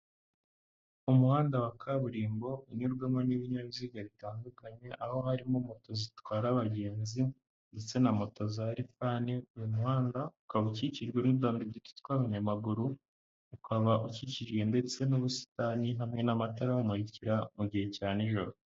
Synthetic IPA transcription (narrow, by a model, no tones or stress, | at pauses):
umuhaːndawakaβuɾiːmbo̞iɲuɾɡwemoniβiɲaβiziːɡaβitaːndukaɲe̞ʔaho̞haɾimomo̞to̞zitwaːɾaβaɟe̞ːnzi | nde̞t͡se̞namo̞to̞zaɾifaːniujumuhaːndaukaβuciciʒɡwe̞nubdaːndiɟitu̥tkwaβaɲamaɡuɾu | ukwaβaʔuciciʒɡe̞nde̞t͡se̞noβusi̥taninamŋe̞namataɾaumuɾiciɾamuɟihe̞caːneʒoɾo